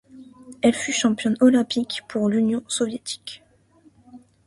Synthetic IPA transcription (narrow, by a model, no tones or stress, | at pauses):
ɛlfyʃɑ̃pjɔ̃nɔlɛ̃pikpʰuʁlynjɔ̃sɔvjet̪ʰi̥k